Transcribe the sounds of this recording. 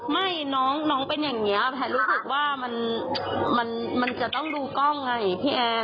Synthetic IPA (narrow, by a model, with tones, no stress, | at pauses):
ma˥˩jnɔː˦˥ŋnɔː˦˥ŋpe˧njaː˨˩ŋni˦˥ɐp̪ʰɛː˧ɾuː˦˥sɯ˨˩k̚waː˥˩ma˧n | ma˧n | ma˧nt͡ɕa˨˩t̪ɔ˥˩ŋduː˧kɔ˥˩ŋːa˧˩jpʰiː˥˩ʔɛː˧